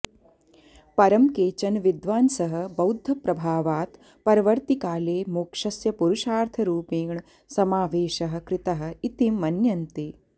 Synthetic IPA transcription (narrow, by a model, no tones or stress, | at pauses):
pɐɾɐmkeːt͡ʃɐnʋid̪ʋaːnsɐɦɐ̆bɐwd̪ʱːɐpɾɐbʱaːʋaːt̪ | pɐɾɐʋɐɾt̪ikaːleːmukʂɐsjɐpuɾuʃaːɾt̪ʰɐɾuːpiːɳ | sɐmaːʋeːʃɐɦɐ̆kɾɪt̪ɐɦɐ̆it̪imːɐnjɐnt̪eː